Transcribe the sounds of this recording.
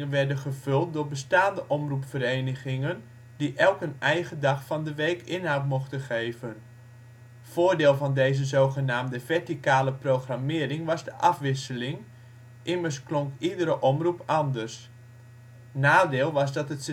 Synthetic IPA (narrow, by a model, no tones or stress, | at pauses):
ənʋɛɹdənχəv̥ɵlˠt̚dʊːɹbəstaːndəʔɔmrupsfərejnəɣɪŋən | diʔɛlˠkənɛjɣədɑχfɑndəʋejkɪnɦawtmɔχtəχejvən | v̥oːrdɪːlˠvɑndejzəzowχənaːmdəvɛɹtikaːləprowχramɪːɾɪŋʋɑzdəʔɑfʋɪsəlɪŋ | ʔɪmərsklɔŋkidəɾəʔɔmrupɑndərs | naːdɪːlˠʋɑzdɑtət